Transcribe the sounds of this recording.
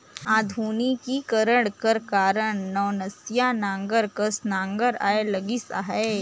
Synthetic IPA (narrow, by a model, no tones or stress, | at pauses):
aːd̪ʱuːnikikɐɾəɽkəɾkaːɾəɳ̃ːɔːnɐsjanãːŋɡəɾkəsnãːŋɡəɾa̰ːelɐɡisa̰ːɦɛː